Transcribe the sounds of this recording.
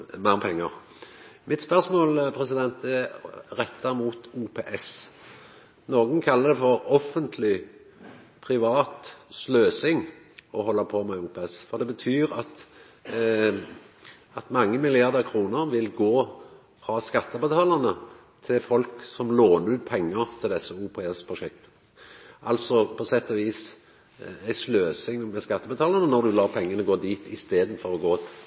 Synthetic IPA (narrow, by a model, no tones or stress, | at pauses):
mɛpʰɛŋːəʁ | mʔɪt̪spœʁsmoːlpʰʁɛsɪd̪ɛnt̪ɛʁɛt̪ːɑmuːt̪uːpʰeːʔɛs | noːɡnkʰɑlːəd̪ɛfɔɾɔfːənt̪ʰlɪ | pʰʁɪʋɑːt̪sløːsɪŋ | ɔhɔlːɑpʰoːmɛuːpʰɛɛsfɔʁd̪ɛbət̪ʰyːɾɑt̪ | ɑt̪mɑŋːəmɪlɪɑʁd̪əʁkʰɾuːnəɾʋɪlɡoː | fɾɑːskɑt̪ːəbət̪ʰɑːlənə | t̪ʰɪfɔlksɔmloːnəɾʉːt̪̚pʰɛŋːəɾt̪ʰɪld̪ɛsːəuːpʰɛɛspʰɾʊʃɛk̚t̪ə̥ | ʔɑlt̪sɔpʰɔsɛt̪ːɔʋiːs | æɪsløːsɪŋmɛskɑt̪ːəbət̪ʰɑːlənənɔɾd̪ʉlɑːpʰɛŋːənəɡoːd̪iːt̪ɪst̪eːd̪n̩fɔʁɔɡoː